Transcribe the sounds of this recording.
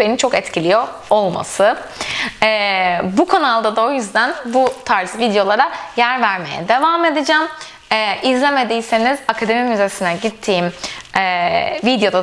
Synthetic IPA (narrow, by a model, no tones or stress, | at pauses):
benint͡ʃʰo̞kɛt̪cilʲijo | olˠma̰sɯ | ɛbukʰonalˠd̪ad̪ao̞jyzd̪ænbut̪ʰaɾzvid̪jo̞lˠaɾajæɾvæɾme̞̰jɛ̰d̪e̞vaːme̞d̪ɯd͡ʒaːm | ɛːʔizlʲeme̞d̪ijse̞nizakʰad̪e̞mimyze̞sinɛɟit̪ʰːiːimɛvid̪jo̞d̪a